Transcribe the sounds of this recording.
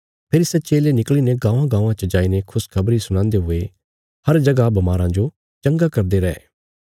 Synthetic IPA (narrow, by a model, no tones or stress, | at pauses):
pʰeːɾisɛt͡ʃeːlenɪkliːneɡãːʋãɡãːʋãt͡ʃəd͡ʒaːinekʰʊskʰɐbɾisʊɽ̃ãːnd̪eɦʊe | hɐɾd͡ʒɐɡabɐmaːɾãd͡ʒo | t͡ʃɐ̃ŋɡakɐɾd̪eɾɛɛ̰